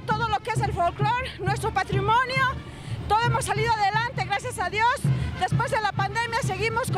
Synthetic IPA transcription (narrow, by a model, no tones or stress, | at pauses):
t̪o̞ð̞olo̞kee̞s̬e̞lfolklo̞ɾnwe̞s̬t̪ɾo̞pat̪ɾimonjo | t̪oðoemosːaliðoaðelant̪e̞ɣɾasjasaðjo̞sd̪e̞spwe̞zðe̞lapand̪e̞mjase̞ɣimosk